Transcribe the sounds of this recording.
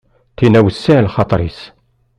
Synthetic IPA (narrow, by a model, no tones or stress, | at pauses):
t̪inæwəsːilχɑt̪ˤɾˤis